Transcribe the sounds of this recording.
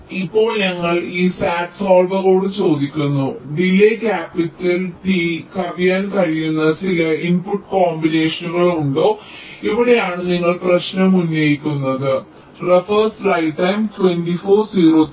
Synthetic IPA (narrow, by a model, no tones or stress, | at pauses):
ipːo̞ːɭɲɐŋːɐɭiːsaːʈsoːlʋɐɣoːɽɨt͡ɕo̞ːd̪ikʲːunːuɖilːekʲaːpitːɐlt̪ikɐʋijaːnkɐɻijunːɐt͡ɕilɐinpuʈːkoːmbine̞ːʂɐnuɣɐɭuɳɖo̞ːiʋiɽe̞jaːɳɨniŋːɐɭprɐɕnɐmunːɐjikʲːunːɐðɨ | refɐrsrɐjʈːɐjmtwe̞nɖifoːrsiːɾoː